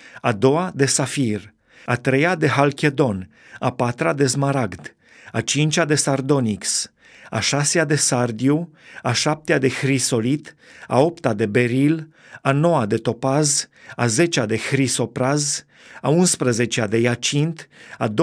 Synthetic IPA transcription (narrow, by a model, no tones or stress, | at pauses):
ad̪o̞ad̪e̞safir | at̪ɾe̞jad̪e̞ɦalkʲed̪o̞n | apat̪ɾad̪e̞zmaɾaɡd̪ | at͡ʃint͡ʃʲad̪e̞sard̪o̞niks | a̰ʃasead̪e̞sard̪iu | aʃap̚t̪ead̪e̞xɾiso̞lit̪a̰o̞pt̪ad̪e̞be̞ɾil | ano̞wad̪e̞t̪o̞pazaze̞t͡ʃad̪e̞xɾiso̞pɾaz | aunspɾəze̞t͡ʃead̪e̞jat͡ʃint̪ad̪o